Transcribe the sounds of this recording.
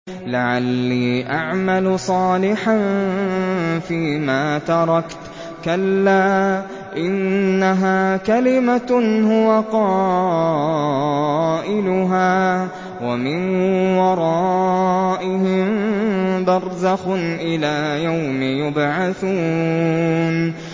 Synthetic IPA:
laʕalːiːʔaʕmalʊsˤɑːlɪħan | fiːmaːt̪ɑɾˤɑkt̪ | kalːaː | ʔɪnːaɦaːkalɪmahʊwaqɑː | ʔɪlʊɦaː | wamɪnwɑɾˤɑː | ʔɪhɪm | bɑɾˤzaxʊnʔɪlaːjawmɪjʊbʕaθuː | n

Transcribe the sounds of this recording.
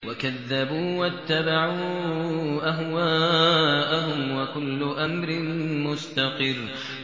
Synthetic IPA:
wakaðːabuːwat̪ːabaʕuː | ʔaɦwaːʔaɦʊmwakʊlːʊʔamɾɪmʊst̪aqɨrː

